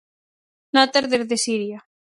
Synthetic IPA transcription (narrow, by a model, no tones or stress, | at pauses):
nat̪eɾðeɾðesiɾja